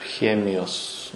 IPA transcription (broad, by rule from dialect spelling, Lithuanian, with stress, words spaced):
ˈxʲæːmʲɪjoːs